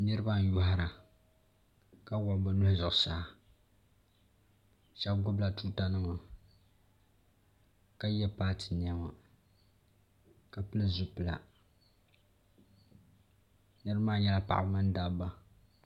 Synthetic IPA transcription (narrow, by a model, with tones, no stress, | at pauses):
nɨ˦ɾɨ˦ba˦n˦jʊ˦ɦa˦ɾa˨ | ka˦wa˨ba˦lʊ˦hzʊ˨ʔʊ˨saː˦˨ | ʃɛ˦b̚ɡʊ˦bla˨tu˦ta˦nɨ˦ma˨ | ka˦jɛ˦paː˦tɨ˨ni˨ɛ˦ma˨ | ka˨pɨ˦lɨ˦zʊ˦pɨ˨la̰˨ | nɨ˦ɾɨ˦maː˦ɲɛ˦la˦pa̰˨ʔa̰˨bmɨ˦n˦da˨ba˦